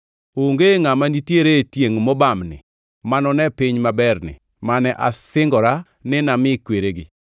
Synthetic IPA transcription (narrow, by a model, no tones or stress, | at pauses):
oŋɡeŋamanitjeɾetjeŋmɔbamnɪ̰ | manɔnɛpɪɲmabɛrnɪ̰ | manɛʔasɪŋɡɔɾa | nɪnamɪkweɾeɡɪ